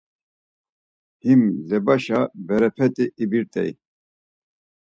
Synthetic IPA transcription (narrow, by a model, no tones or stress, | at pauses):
himlɛbaʃabɛɾɛpʰɛt̪ʼiʔibiɾt̪ʼɛ̰j